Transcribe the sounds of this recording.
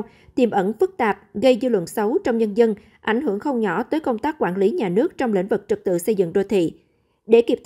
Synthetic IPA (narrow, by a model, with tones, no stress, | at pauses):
t̪i˨˩mʔə˧˩nfɨ˦˥k̚t̪aː˨˩p̚ɣə˧jzɨ˧lwə̰˧˨nsə˨˦wt͡ɕɔ˧wŋ͡mɲə˧nzə˧n | ʔa̰˧˩jŋ̟ɦɨ˧˩əŋxə˧wŋ͡mɲɔ˧˩t̪əː˨˦jkə˧wŋ͡mt̪aː˦˥k̚kwaː˧˩nli˨˦ɲaː˨˩nɨ˦˥ək̚t͡ɕɔ˧wŋ͡mlḭ˧˥ŋ̟vɨ˨˩k̚t͡ɕɨ˨˩k̚t̪ɨ̰˧˨sə˧jzɨ̰˧˨ŋɗo˧˩t̪ʰḭ˧˨ | ɗe˧˩ki˦˥p̚t̪